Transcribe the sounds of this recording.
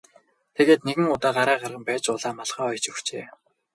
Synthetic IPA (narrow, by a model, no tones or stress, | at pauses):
t̪ʰeɣeːt̪neɣɘ̆ŋʊt̪aːɢaɾæːɢarʁə̆mpæːt͡ɕʊɮaːmaɮʁaːɔjt͡ɕɵxt͡ɕeː